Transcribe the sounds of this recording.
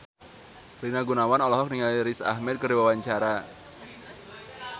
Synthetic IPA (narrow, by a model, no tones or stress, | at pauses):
rinaɡunawanɔlɔɦɔk̚niŋaliɾisa̰hmɛd̪̚kəriwawaɲt͡ʃaɾa